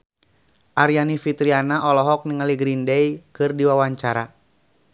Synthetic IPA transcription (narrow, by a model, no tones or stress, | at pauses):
ʔaɾianifit̪ɾianaʔɔlɔɦɔk̚niŋaliɡɾindɛikɨrdiwawaɲt͡ʃaɾa